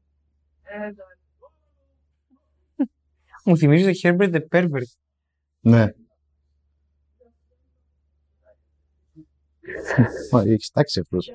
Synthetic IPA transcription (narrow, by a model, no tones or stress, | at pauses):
muθimizit̪oçeɾbeɾt̪epeɾveɾd̪ | ne | oieki̥st̪ɐksiɐft̪os